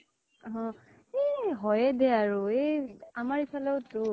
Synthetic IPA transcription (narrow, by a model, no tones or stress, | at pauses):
ɦɔ̃ | eɦɔjɛdɛaɹueamaɹisʰalɛʊtʊ